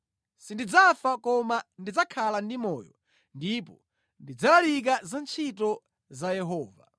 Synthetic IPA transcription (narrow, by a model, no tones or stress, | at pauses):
sindid͡zafakɔmandid͡zakʰalandimɔ̰ːjɔ̰ | ndipɔ | ndid͡zalalik̬azant͡ʃʰitɔ | zajɛɦɔːva̰